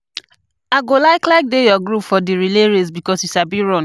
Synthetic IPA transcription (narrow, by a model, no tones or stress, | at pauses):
aɡolaɪklaɪk̚dejɔɡɾupfɔdiɹileɹes̬bikɔsisabiɹɔ̃n